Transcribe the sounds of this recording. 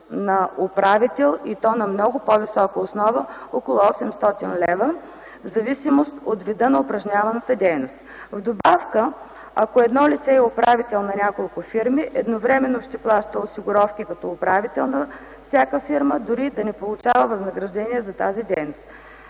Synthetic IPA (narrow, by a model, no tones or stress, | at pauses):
nɐʊpɾavit̪ɛlˠit̪ɔnɐmnɔɡʊpɔvisɔkəosnɔvəɔkolˠʊɔsɛmst̪ɔt̪inlɛvə | zɐvisimost̪ot̪vid̪ənɐʊpɾɐʒnʲavɐnət̪əd̪ʲɛjnost̪ | vd̪obafkə | ɐ̰koɛd̪nɔlit̪sɛɛʊpɾavit̪ɛlˠnɐnʲakolˠkʊfiɾmiʔɛd̪novɾɛmɛnːoʃt̪ɛplˠaʃt̪əosiɡʊɾɔfkʲikɐt̪ɔʊpɾavit̪ɛlˠnɐ | fsʲakəfiɾməd̪ʊɾid̪ɐnɛpolˠʊt͡ʃavəvɐznɐɡɾɐʒd̪ɛniɛzɐt̪azid̪ɛjnost̪